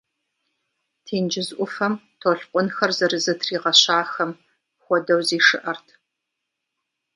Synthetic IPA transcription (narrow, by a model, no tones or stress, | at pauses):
tʰeːnd͡ʒɪzʔʷʊfɐmtʰoːɬqʷʼʊnxɐrzɐɾɨzɨtʰriːʁɐɕaːxɐm | xʷɔdɐwziːʂɨʔɐrtʰ